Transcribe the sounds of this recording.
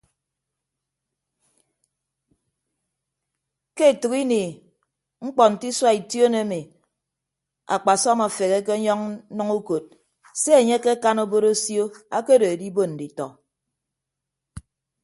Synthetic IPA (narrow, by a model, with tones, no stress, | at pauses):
ke˦e˨tu˨ki˦ni˨ | ŋ͡m̩˦k͡pɔ˨n̩˨ti˦swa˦i˨tjo˦ne˦mi˨ | a̰˨k͡pa˨sɔ˦ma˨fe˨ɣe˦k̬e˦ɲɔ˦ŋ˦nɔ˦ŋu˦ko˨t̚ | se˦e˨ɲe˦ke˦ka˦no˦bo˦ɾo˦sjo˦a˦ke˦do˨e˨di˦bo˦n̩˨di˨tɔ̰˨